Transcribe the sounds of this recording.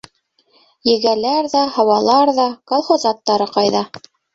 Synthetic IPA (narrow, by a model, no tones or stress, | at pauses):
jɘ̆ɡælæɾðɑhɑwɑlˠɑɾðɑkolˠχozɑt̪ːɑɾɤqɑjðɑ